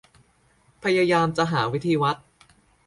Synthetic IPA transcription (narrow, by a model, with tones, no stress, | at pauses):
pʰa˧jaː˧jaː˧mt͡ɕa˨ɦaː˩˦wi˦˥t̪ʰiː˧wa˦˥t̪̚